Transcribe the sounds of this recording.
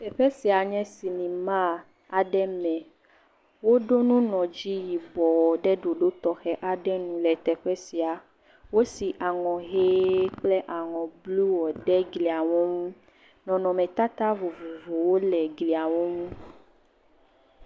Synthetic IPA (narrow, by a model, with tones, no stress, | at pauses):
t̪ɛ˨ɸɛ˦si˨a˨ɲɛ̃˦si˨nĩ˨mã˦ | a˨ɖɛ˦mɛ̃˨ | wo˦ɖo˦nũ˦nɔ̃˨d͡ʑi˦ji˨bɔ˨wɔ˨ɖɛ˦ɖo˨ɖo˦t̪ɔ˨xɛ˦ʔa˨ɖɛ˦nũ˨lɛ˨t̪ɛ˨ɸɛ˦si˨a˨ | wo˦si˨ʔa˨ŋɔ̃˨ɦe˦k͡plɛ˦ʔa˨ŋɔ̃˨blu˦wɔ˨ɖɛ˦ɡli˨a˨wo˦ŋũ˦ | nɔ̃˨nɔ̃˨mɛ̃˨t̪a˦t̪a˦vo˨vo˨vo˨wo˦lɛ˨ɡli˨a˨wo˦ŋũ˦